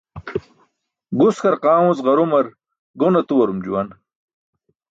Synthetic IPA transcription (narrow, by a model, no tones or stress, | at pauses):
ɡuskɐɾqãːwũzʁɐɾumɐɾ | ɡonɐt̪uwɐɾumd͡ʑuwɐn